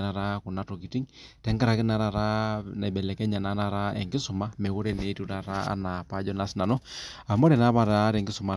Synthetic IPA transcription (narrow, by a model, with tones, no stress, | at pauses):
ɾa˨ɾa˦ku˨na˨˦tɔ˨ki˨ti˦ŋtɛ˨˦ŋɡa˦ɾa˨ki˦na˨ɾa˨ɾa˦na˨ɓɛ˨lɛ˨kɛ˦ɲa˨na˨˦na˦ɾa˦ɛ̰˨ŋɡi˦su˨ma˦mɛ˨ɣu˦ɾɛ˦ne˨˦tu˦ɾa˨ɾa˦a̰˦na˨pa˦d͡ʒɔ˦na˨˦si˦na˨nɔ˦ | a˨mɔ˦ɾɛ˨na˦βa˨ɾa˦ɾɛ˨ŋɡi˦su˨ma˨